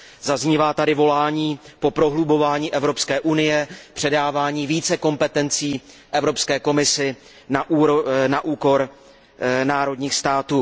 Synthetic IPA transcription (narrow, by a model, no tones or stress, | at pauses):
zazɲiːvaːt̪adɪvo̞laːɲiːpo̞pɾo̞ɦlubo̞vaːɲiːʔɛvɾo̞pskɛːʔunɪjɛpr̥ɛdaːvaːɲiːviːt͡sɛko̞mpɛt̪ɛnt͡siː | ʔɛvɾo̞pskɛːko̞mɪsɪ | naʔnaʔuːko̞ɾ | naːɾo̞dɲiːxst̪aːt̪uː